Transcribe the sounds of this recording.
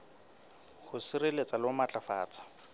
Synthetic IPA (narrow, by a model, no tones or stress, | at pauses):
χʊsɪrelet͡sʼalamat͡ɬʼafa̰ːt͡sʼḁ